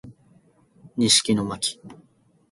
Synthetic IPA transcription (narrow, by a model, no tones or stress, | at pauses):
ɲʲiɕi̥kʲinomakʲi̥